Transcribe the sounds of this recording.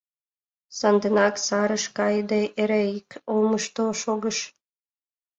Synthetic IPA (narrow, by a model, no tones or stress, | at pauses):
sɑnd̪enɑksɑɾəʃkɑjd̪eʔeɾeikolməʃt̪oʃoɣəʃ